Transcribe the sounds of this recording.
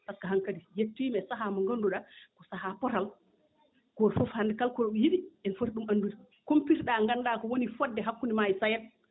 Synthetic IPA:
takːaɦaŋkadijetːimɛsaɦamɔŋɡonduɗakɔsaɦapɔɾal | ɡ̥ɔɾfofhandɛkalkɔɾɔɓɛjiɗiʔɛnfoɾɗumanduɾi | kompiɾɗaŋɡanːdakɔwonifɔdːɛɦakːunimajisajɛt̚

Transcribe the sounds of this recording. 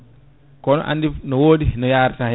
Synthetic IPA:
kɔnɔ̰ʔa̰ndinɔwoːɗinɔjaːɾta

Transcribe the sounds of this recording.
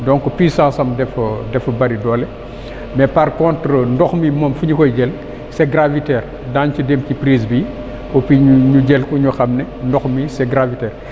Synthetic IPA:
dɔ̃ŋkːɔpiːsãːsɐmdɛfɔdɛfɐbɐɾidɔːlɛ | mɛpɐrkɔ̃ntɾəndɔxmimɔːmfuɲukɔjɟɛl | sɛɡɾavitɛːr | daːncudemcipɾiːs̬bi | kɔpiɲɲuɟɛlkuɲuxɐmnɛndɔxmisɛɡɾavitɛːr

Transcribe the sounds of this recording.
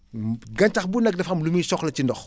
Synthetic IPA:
ɡɐnt͡ʃɐxbunɐɡ̚dɐfɐmlumisɔxlɐt͡ʃindɔx

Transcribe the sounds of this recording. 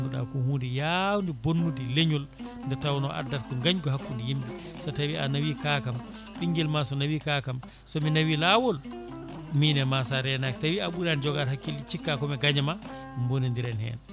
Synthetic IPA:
nduɗa̰kuhuːndijawndibonːudileɲulndɛtawnɔ̰ʔa̰dːaɾkɔŋɡaɲɡɔhakːundijimbi | sɔtawianawikakam | ɓiŋɡɛlmasɔnawikakam | sɔminawilawɔl | miːnɛmasaɾɛnaki̥tawiaɓuɾand͡ʒɔɡaɾhakːilit͡ʃikːakɔmɛɡaɲama | mbonindiɾɛnhɛ̰n

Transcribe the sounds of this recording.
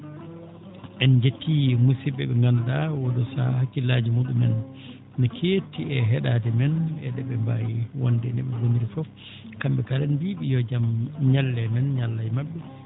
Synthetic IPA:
ʔɛnd͡ʒetːimusiɓɛɓɛŋɡandawɔdɔsa̰hakːilad͡ʒimuɗumɛ̰n | nɛkʰetːiɛɦɛɗadɛmɛnɛɗɛɓɛmba̰jwa̰ndɛnɛ̰ɓɛɡoniɾifɔf | kambɛkalɛnbiɓijɔd͡ʒamɲalːɛmɛnɲalːajmaɓːɛ

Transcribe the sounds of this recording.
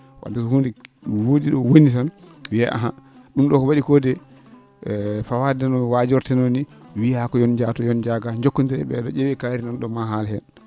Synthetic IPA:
wa̰dɛsɔhundɛ | wodiɗɔwonitanwia̰ʔa̰ɦaɗumɗɔkɔwaɗikɔdɛ | fawadɛnɔwad͡ʒɔɾtɛnoniwihakɔjɔnd͡ʒatɔjɔnd͡ʒaɡaɲd͡ʒokːɔntiɾɛɓɛ̰ɗɔd͡ʒɛwɛkaɾinɔnɗɔmaɦalhɛn

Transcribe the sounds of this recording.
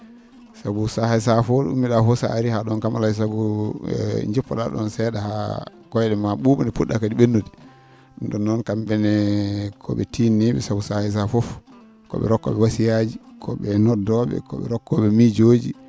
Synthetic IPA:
sabusahajsafɔɗṵmːiɗafɔsa̰aɾihaɗɔnkamalais̬aɡu | ɲd͡ʒipːɔɗaɗɔ̰nsɛɗaha | kɔjɗɛmaɓuɓɔnɛpuɗakadiɓenːodi | ɗndɔnːɔnkambɛnɛkʰɔɓɛtiniɓɛsabusahajs̬afɔf | kɔ̰ɓɛ̰ɾɔkːɔ̰ɓɛwasijad͡ʒikʰɔɓɛnɔdɔɓɛ̰kɔ̰ɓɛ̰ɾɔkːɔɓɛmid͡ʒod͡ʒi

